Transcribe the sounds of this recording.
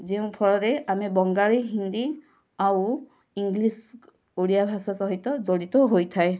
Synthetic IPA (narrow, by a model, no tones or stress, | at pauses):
ziʊ̃pʰɔɹɔɾɛamibɔŋɡaɭiɦind̪i | aw | iŋɡlis | olijabʱasasɔɦit̪ɔzolit̪ɔɦojt̪ʰaj